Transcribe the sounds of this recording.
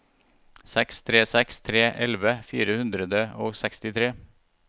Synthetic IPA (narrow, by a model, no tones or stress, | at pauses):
sɛkst̪ʰɾeːsɛkst̪ʰɾeːʔɛlʋəfḭːɾəhʉnd̪ɾəd̪əo̰ːsækst̪ɪt̪ʰɾeː